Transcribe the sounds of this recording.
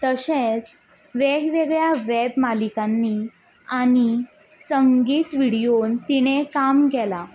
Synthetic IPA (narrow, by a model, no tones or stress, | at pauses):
t̪əɕet͡s | ʋeɡʋeɡɭjaʋebmalikanːi | aɽ̃i | səŋɡiːt̪ʋiɽijont̪iɽ̃ekamɡɛla